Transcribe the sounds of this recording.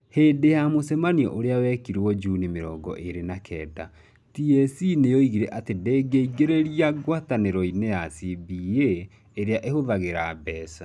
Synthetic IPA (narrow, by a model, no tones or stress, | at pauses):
heːdejamosɛmaniɔ̰ʔoɾeawɛkiɾwɔd͡ʒunimeɾɔːɡɔ̰ʔeɾenakʰɛːda̰ | tiesinejɔiɣiɾɛʔatedeɡeiɡeɾeɾiaɣwataneɾɔinejasibieː | ɾeaʔehoðaɣeɾabɛːsa